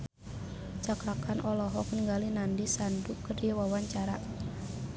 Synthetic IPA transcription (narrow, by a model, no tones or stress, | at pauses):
t͡ʃakɾakanʔɔlɔɦɔkənŋɡalinandisandukərdiawawaɲt͡ʃaɾa